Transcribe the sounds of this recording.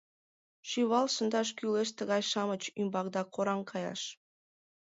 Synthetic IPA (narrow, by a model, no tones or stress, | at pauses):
ʃyβɑlˠsə̆nd̪ɑʃ̬kyleʃ̬t̪ə̆ɣɑjʃɑmət͡ɕymbɑkd̪ɑkoɾɑŋkʰɑjɑ̰ʃ